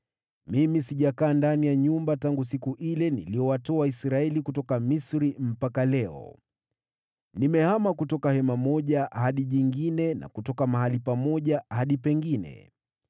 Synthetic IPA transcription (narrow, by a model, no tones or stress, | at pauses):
mimisiʄakaːndanijaɲumbataŋɡus̬ikuʔilɛnḭlijɔwatɔwaisɾaɛlikutɔkamisɾim̩pakalɛɔ̰ | nimɛhamakutɔkahɛmamɔʄahaɗiɲiŋɡinɛna̰kutɔkamahalipamɔʄahaɗipɛŋɡinɛ̰